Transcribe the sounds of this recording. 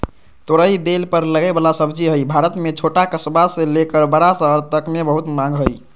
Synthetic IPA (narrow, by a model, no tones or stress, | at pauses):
t̪oɽəjbelpəɾləɡɛbalasəbd͡ʒiɦəjbʱaɾət̪met͡ʃʰoʈakəsbasə̃lekəɾbəɾasə̃əɾt̪əkmebəɦut̪mãŋɡʱɦoj